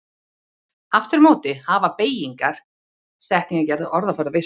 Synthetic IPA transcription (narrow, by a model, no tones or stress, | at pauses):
aft̪ɪɾmoːwt̪ɪhaːvapeːjiŋkaɾ̥ | st̪ɛht̪niŋkacɛɾðʏʔɔɾðafɔɾðʏve